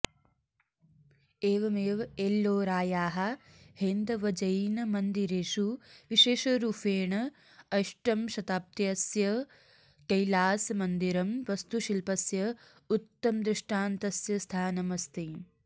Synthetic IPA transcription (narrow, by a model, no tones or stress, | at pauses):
eːʋɐmeːʋɐelːoːɾaːjaːɦɐ | hend̪ɐʋɐd͡ʒɐjnɐmɐnd̪iɾeːʃuʋiʃeːʃɐɾuːfeːɳɐ | ɐʃʈɐmʃɐt̪aːp̚t̪jɐsjɐ | kɐjlaːsmɐnd̪iɾɐmʋɐst̪uʃilpɐsjɐ | ut̪ːɐmd̪ɾɪʂʈaːnt̪ɐsjɐst̪ʰaːnɐmɐst̪i